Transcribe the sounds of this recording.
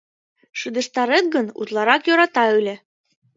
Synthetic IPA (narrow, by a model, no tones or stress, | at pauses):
ʃɯd̪ə̆ʃt̪ɑɾet̪̚ɡənṵt̪lˠɑɾɑkjoɾɑt̪ɑylʲĕ